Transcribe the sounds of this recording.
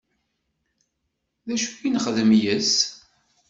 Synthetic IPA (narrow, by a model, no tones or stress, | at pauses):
ðæʃə̥finχðəmjəs